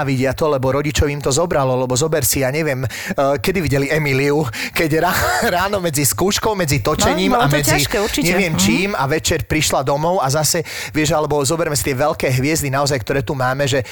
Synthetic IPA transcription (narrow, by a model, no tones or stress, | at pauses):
ʋiɟɪat̪ɔlɛbɔɾɔɟit͡ʃɔʊimt̪ɔzɔbɾalɔlɛbɔzɔbɛɾsijaɲɛʋɪɛm | kɛd̪iʋiɟɛliɛmiliukɛɟɾaːɾaːnɔmɛd͡ziskuːʃkɔʊmɛd͡zit̪ɔt͡ʃɛɲiːmamt̪ɛaiʃkɛuɾt͡ʃiɲɛʋɪɛmt͡ʃiːmaʋɛt͡ʃɛɾpɾiʃlad̪ɔmɔʊazasɛ | ʋɪɛʒalɛbɔzɔbɛɾmɛsi̥t̪ɪɛʋɛlkɛːɦʋɪɛzd̪inaɔzajk̚t̪ɔɾɛːt̪umaːmɛʒɛ